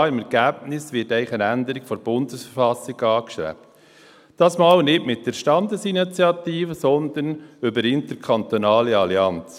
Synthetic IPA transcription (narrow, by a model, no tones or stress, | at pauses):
ɪmɛɾɡæb̥̚nɪsʋɪtæɪχənændəɾɪkfɔɾb̥ʊndəsfəɾfɑsːɪɡɑːkʃɾɛ̰pt | d̥ɑːsmɑːlnɪtmɪt̚d̥əɾʃtɑnd̪əsinit͡sjɑt̪iːfəsɔnd̪ənʏbəɾɪntəɾkʰɑnt̪onɑːliɑliɑnt͡s